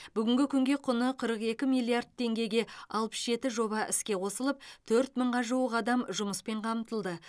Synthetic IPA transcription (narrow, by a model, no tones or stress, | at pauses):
b̥ʏɡʲɪŋɡʲɪkʲʰʏŋɡʲe̞qʰʊnəqʰəɾəqe̞kʲɪmijlˠiard̪̚t̪ʰːe̞ŋɡʲe̞jɡʲe̞ɑlˠpə̥sʒe̞t̪ɪʒo̞βɑʔɪ̰skʲe̞qʰo̞səlˠəp̚t̪ʰɵɾt̪məɴʁɑʒuwəqɑd̪ɑmʒʊməspe̞ɴqʰɑmt̪əlˠd̪ə